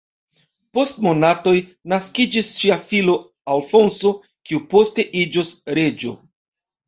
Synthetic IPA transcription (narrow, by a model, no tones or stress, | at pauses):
po̞stmo̞nato̞jnaskid͡ʒisʃiafilo̞ | alfo̞nso̞ | kiupo̞ste̞ʔid͡ʒosɾe̞d͡ʒo̞̰